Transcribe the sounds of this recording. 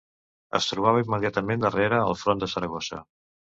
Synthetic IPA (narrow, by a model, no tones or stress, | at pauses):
ə̰st̪ɾuβ̞aβəimːəðiat̪əmend̪əreɾəəlˠfɾond̪əsəɾəɣosə̰